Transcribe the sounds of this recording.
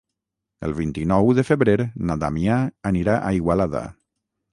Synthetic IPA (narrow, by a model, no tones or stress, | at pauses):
ə̰lˠβint̪inɔwðəfəβɾeɾnat̪a̰miaːniɾaʔaiɣwalaða̰